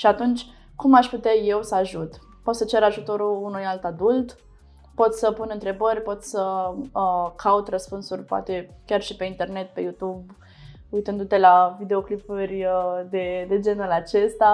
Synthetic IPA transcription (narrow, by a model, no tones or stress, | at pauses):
ʃiat̪unt͡ʃʲ | kumaʃput̪eaje̞wsəaʒut̪ | po̞t̪sət͡ʃe̞ɾaʒut̪o̞ɾuunujalt̪ad̪ult̪ | po̞t̪səpunɨnt̪ɾe̞bərʲpo̞t̪sə | kʰaut̪rəspunsurʲpoa̰t̪e̞kʲarʃipe̞int̪e̞rne̞t̪̚pe̞jut̪ub | ujt̪ɨnd̪ut̪e̞lavid̪e̞o̞klipurʲd̪e̞d̪e̞d͡ʒe̞nulat͡ʃe̞st̪a